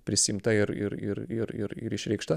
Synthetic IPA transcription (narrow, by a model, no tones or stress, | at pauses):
pʲɾʲɪsʲɪːmt̪ɐɪɾɪ̰ɾɪ̰ɾɪɾɪ̰ɾɪ̰ɾɪʃʲɾʲɛɪkʃt̪ɐ